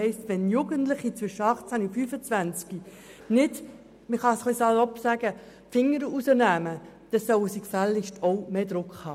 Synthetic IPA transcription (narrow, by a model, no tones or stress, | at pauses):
ɛɪstʋɛnjuɡəntlɪχit͡sʋʏʃəɑχt͡sænufyːfət͡sʋænt͡ski | nɪd | məχɑsχlisɑlɔpsæɡə | fɪŋːəɾəusəɾnæːmə | d̥ɛsœwəsikfælːɪʃtʰɔʊmeːd̥̪ɾʊkχhɑː